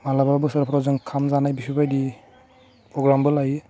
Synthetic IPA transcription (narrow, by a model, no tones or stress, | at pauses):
malababɯsɔɾpʰɾɔzɯŋkʰamzanajbisʰibajdi | pɾɔɡɾambɯlaji